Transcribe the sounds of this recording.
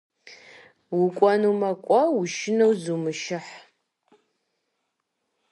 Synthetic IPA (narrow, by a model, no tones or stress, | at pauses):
wʊkʷʼɔnumɐkʷʼɔwuʃɪnɐwzumɨʃɪħ